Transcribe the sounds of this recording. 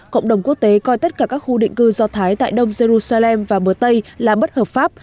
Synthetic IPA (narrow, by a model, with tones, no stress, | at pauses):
kə̰˧˨wŋ͡mɗə˨˩wŋ͡mku˦˥ək̚t̪e˨˦kɔ˧jt̪ə˦˥t̚kaː˧˩kaː˦˥k̚xu˧ɗḭ˧˨ŋ̟kɨ˧zɔ˧t̪ʰaː˨˦jt̪a̰ː˧˨jɗə˧wŋ͡mze˧ɾu˧saː˧lɛ˧mvaː˨˩ɓə˨˩ət̪ə˧jlaː˨˩ɓə˦˥t̚həː˨˩p̚faː˦˥p̚